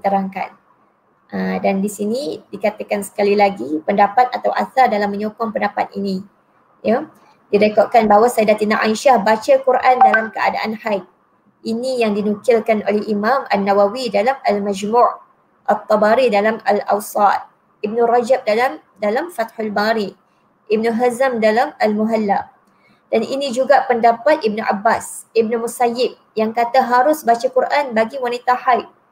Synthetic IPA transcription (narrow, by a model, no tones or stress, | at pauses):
t̪əɾaŋka̰n | ʔədandisinidikat̪əkansə̥kalilaɡipəndapat̪̚at̪awʔa̰θardalamːə̃ɲokɔŋpəndapat̪̚ḭnĩ | ja | didakaʔ̪̚kanbaɦawasadat̪inaʔa̰iʃahbat͡ʃakuɾʔandalamkəa̰da̰ʔanhajt̪̚ | ʔinijaŋdinukɪlkanʔolɛhimãmanːawawidalamalmad͡ʒmuʔ | ʔat̪ˤːɑbaɾidalamala̰wsɑt̪̚ | ib̚nurad͡ʒap̚daam | dalamfat̪hʊlbaɾi | ʔib̚nəɦazamdalamalmuɦalːa | d̥anʔḭnĩd͡ʒuɡapəndapat̪̚ib̚nuʔa̰bːas | ib̚nəmusajɪb̚jaŋkat̪aɦaɾʊsbat͡ʃakuɾʔanbaɡiwanit̪ahajt̪̚